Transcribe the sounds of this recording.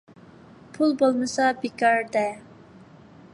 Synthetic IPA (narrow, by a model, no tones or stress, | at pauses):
pʰulˠbolˠmɨsɑbekɑɾd̪ɛ